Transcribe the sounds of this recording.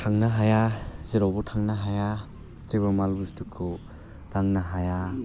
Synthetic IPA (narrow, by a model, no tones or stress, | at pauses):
tʰaŋnaɦajaziɾɔbɔtʰaŋnaɦaja | zibamalɡustukʰu | ɾaŋnaɦaja